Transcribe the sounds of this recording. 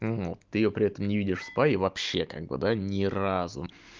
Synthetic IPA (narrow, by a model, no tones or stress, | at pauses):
vot̪ːɨɪjo̞pɾʲɪɛt̪əmnʲɪvʲidʲɪʂspaɪvɐpɕːe̞ka̰ɡ̚bɨ̰d̪anʲɪrazʊ̰